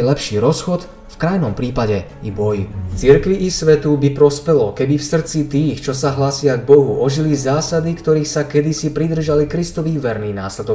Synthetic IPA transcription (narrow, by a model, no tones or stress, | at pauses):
lɛpʃiːɾɔsxɔt̪ | fkɾajnɔmpɾiːpaɟɛ | ibɔjft͡siɾkʋiʔːsʋɛt̪ubipɾɔspɛlɔkɛbifsr̩t͡sit̪iːxt͡ʃɔsaɦlasɪaɡbɔɦuʔɔʒilizaːsad̪ikt̪ɔɾiːxsakɛd̪isipɾid̪r̩ʒalikɾist̪ɔʋiːʋɛɾniːnaːslɛd̪ɔ